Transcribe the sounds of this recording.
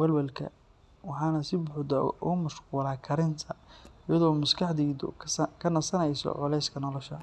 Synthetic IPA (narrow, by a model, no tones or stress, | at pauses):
wɐlwɐlkʰɐ̰ | wɑħɑːnɐsɪbʊħʊd̪ɐʊmɐʃquːlaːkʰɐɾɪnt̪ʰɐɪjɐðɔːmʊskʰɑħd̪iːd̪ʊ̰kʰɐnɐsɐnɛjsɔ̰ʕʊlɛjskʰɐnɔlɔʃɐ